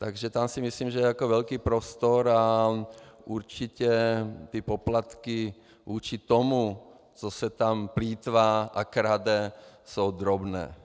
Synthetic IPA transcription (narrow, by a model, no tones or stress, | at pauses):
t̪aɡʒɛt̪amsimisliːmʒɛjɛakɔʋɛʎkiːpɾɔst̪ɔɾa | uɾt͡ʃicɛt̪ɛpɔplat̪ki | ʋuːt͡ʃit̪ɔmu | t͡sɔsɛt̪ampliːt̪ʋaːʔakɾad̪ɛsoʊd̪ɾɔbnɛ̰ː